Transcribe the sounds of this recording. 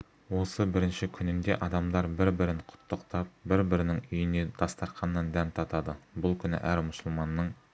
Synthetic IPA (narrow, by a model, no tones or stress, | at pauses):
wo̞səbɪɾɪnʃɪkʲʰʏnɪnd̪e̞̰ʔɑd̪ɑmd̪ɑɾbɪɾbɪɾɪnqʰʊ̥t̪ːəqt̪ɑp̚bɪɾbɪɾɪnɪŋʏjɪned̪ɑst̪ɑɾqʰɑnːɑnd̪ænt̪ʰɑt̪ɑd̪əbʊlˠkʲʰʏnɪ̰ʔæɾmʊsəlˠmɑnːəɴ